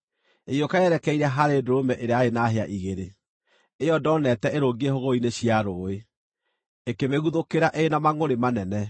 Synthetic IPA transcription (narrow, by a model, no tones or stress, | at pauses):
ejokaɛɾɛkɛiɾɛɦaɾedoɾomɛʔeɾeaenaɦeaʔiɣeɾe | ejɔdɔnɛtɛeɾoɡiehoɣoineɕiaɾoːe | ekemeɣuðokeɾaʔeːnamaŋoɾemanɛnɛ